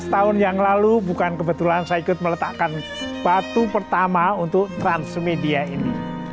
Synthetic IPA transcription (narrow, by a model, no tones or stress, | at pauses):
t̪aʊnjaŋlalubukankəbət̪ulansajaikʊt̪̚mələt̪aʔkan | b̥at̪upərt̪amaunt̪ʊk̚t̪ɾansmediainḭ